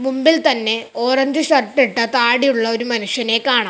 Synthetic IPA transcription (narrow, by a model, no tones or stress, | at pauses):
mumbilt̪ɐnːe̞oːrɐɲd͡ʑɨɕɐrʈːiʈːɐt̪aːɽijuɭːɐo̞ɾumɐnuʂjɐne̞ːkaːɳɐ